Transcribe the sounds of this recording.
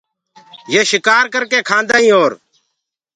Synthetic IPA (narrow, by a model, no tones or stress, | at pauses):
jeːʃɪkaːɾkəɾkeːkʰãːnd̪aːĩːɦoːɾ